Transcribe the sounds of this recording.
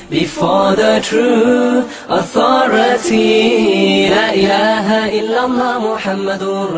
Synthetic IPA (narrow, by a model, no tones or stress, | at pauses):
bifɑðətʰɾu | ʔaθɑːɾˤɑt̪i | laːʔɪlaːɦaʔɪlːalˤːɑːmʊħamːad̪